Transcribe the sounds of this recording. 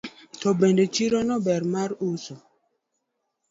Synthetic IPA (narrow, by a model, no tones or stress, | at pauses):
tɔbendet͡ʃiɾɔnɔbɛɾmaɾuso